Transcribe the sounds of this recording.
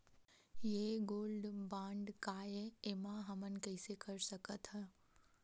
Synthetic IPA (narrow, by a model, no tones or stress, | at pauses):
jeɡoːlɖbãːɳɖkaːjeeːmãɦɐmən̆kɐɪsekɐɾsɐkət̪ʰɦəː